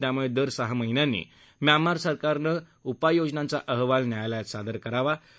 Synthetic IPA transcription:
t̪jamuɭed̪əɾsəɦaməɦinjanːḭː | mjamaɾsəɾkaɾnə | upajod͡znãnt͡saʔəɦʋalnjajajljat̪sad̪əɾkəɾaʋa

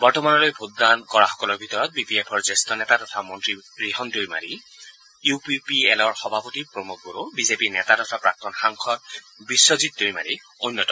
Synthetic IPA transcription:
bɔɹtɔmanɔlojbʱut̚dankɔɹaxɔ̥kɔlɔɹbʱitɔɹɔt̚bipiepʰɔɹzestɔnɛtadɔtʰamɔntɹiɹiɦɔndoɹima̰ɹi | jupipiɛlɔɹxɔbʱapɔtipɹɔmuk̚ʰboɹobizepinɛtadɔt̪ʰapɹak̚tɔnxaŋkʰɔt̚ | bisːɔzit̚doɹima̰ɹi | onːjɔtɔ

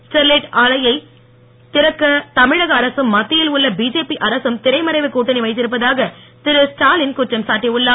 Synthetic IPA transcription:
sʈɐɾleʈaːlɐjɐɪ | t̪ɪɾɐkːɐt̪ɐmɪɻɐɣɐːɾɐsɯmːɐt̪ːɪjɪlʊɭːɐbiːd͡ʒeːpiʔɐɾɐsɯmt̪ɪɾɐɪmɐɾɐɪʋɯkːuːʈːɐnɪʋɐɪt̪̬ːɪɾɯpːɐðaːɣɐ | t̪ɪɾɯsʈaːlɪnkʊʈrɐmsaːʈːiʊɭːaː

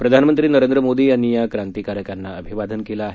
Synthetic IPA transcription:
pɾəd̪ʱanmənt̪ɾiːnəɾend̪ɾəmod̪iːjanːijakɾant̪ikaɾjəkanːaəbʱiʋad̪ʱənkelaːɦe

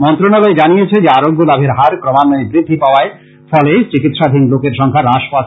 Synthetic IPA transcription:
mɔnt̪ɾonaloed͡ʑanijet͡ɕʰed͡ʑeaɾoɡːolabʱeɾɦaɾkɾomanːoebɾid̪ʱːipaoae | fɔlet͡ɕikit̪ʃad̪ʱinlokeɾʃɔŋkʰaɾaʃpa

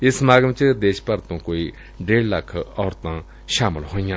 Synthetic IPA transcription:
jəsʰmaɡəmt͡ɕəɦd̪eɕpart̪oŋkowi | ɳɖ͡ʐellakʰəʔawrt̪aŋ | ɕʰamolhonɲan

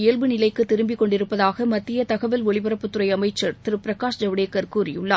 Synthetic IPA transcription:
ɪjɛlʋɯnɪlɐɪkːɯt̪ːɪɾɯmbɪkːɔɳɖɪɾɯpːɐðaːɣɐmɐt̪ːɪjɐt̪ɐɣɐʋɪlɔɭɪbɐɾɐpːɯt̪ːɯɾɐɪɐmɐɪt͡ʃːɐɾt̪ɪɾɯpɪɾɐkaːʂd͡ʒɐʋɽeːkːɐɾkuːɾɪjɯɭːɐː

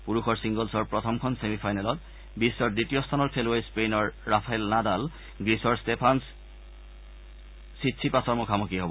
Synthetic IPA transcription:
puɹuxɔɹsiŋɡɔlsɔɹpɹɔt̪ʰɔmkʰɔnsemipʰajnalɔt | bisːɔɹdɹitijɔstʰanɔɹkʰelwejspejnɔɹːapʰajlnadal | ɡisɔɹstepʰans | itsʰipasɔɹmɔkʰamɔkiɦobɔ

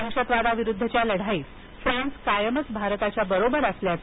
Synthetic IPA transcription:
əɕət̪ʋad̪aʋiɾud̪ʱːət͡ɕjaləɽ̤aiːt͡s | fɾãnskajəmət͡sbʱaɾt̪at͡ɕjabəɾobəɾəsljat͡s

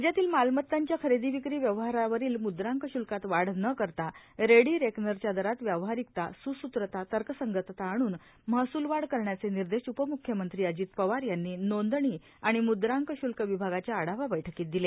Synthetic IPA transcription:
d͡ʑjat̪iːlmalmət̪ːaɲt͡ɕjakʰəɾed̪iʋikɾiːʋjəʋɦaɾaʋəɾiːlmud̪ɾaŋkəɕulkat̪ʋaɽnəkəɾt̪a | ɾeɽiːɾeknəɾt͡ɕjad̪əɾat̪ʋjəʋɦaɾik̚t̪asusut̪ɾət̪at̪əɾkəsəŋɡət̪t̪aːɽ̃uːn | masuːlʋaɽkəɾɳjat͡seniɾd̪eʂupəmukʰjəmənt̪ɾiːəd͡ʑiːt̪pəʋaɾjanːiːnond̪ɳiː | aɽ̃imud̪ɾãŋkəɕulkəʋibʱaɡat͡ɕjaːɽaʋaʋəjʈʰəkiːt̪̚d̪ile

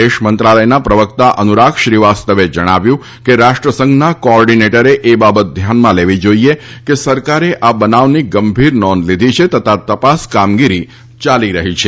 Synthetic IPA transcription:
eʃmənt̪ɾaləjnapɾəʋəkt̪aʔənuɾakʃɾiʋast̪əʋed͡ʒəɽ̃aʋjũ | keɾaʃʈɾəsə̃ŋɡʱnakoɔɾɖineʈəɾeʔebabət̪̚d̪ʱjanmãleʋid͡ʒoiekesəɾkaɾeʔabənaʋniɡəmbʱiɾnɔnlid̪ʱit͡ʃʰet̪ət̪ʰat̪əpaskamɡiɾi | t͡ʃaliɾəɦit͡ʃʰe

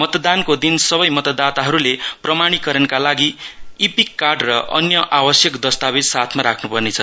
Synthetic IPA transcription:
mʌt̪d̪ankod̪insʌbʌjmʌt̪ʌd̪at̪aɦʌɾuleprʌmaɽ̃ikʌɾʌnkalaɡiipikːarɖrʌʔʌ̰njʌʔabʌsjʌkd̪ʌst̪abed̪sat̪ʰmaɾakʰnupʌrnet͡sʰʌ

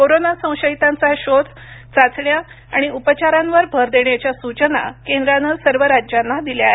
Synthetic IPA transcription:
koɾonasə̃w̃ɕəit̪ãnt͡saɕot͡s | t͡sat͡sɳja | a̰ɽ̃iupət͡ɕaɾãnʋəɾbʱəɾd̪eɳjat͡ɕjasut͡ɕəna̰kẽnd̪ɾãnəsəɾʋəɾad͡ʑjanːad̪iljaɦe

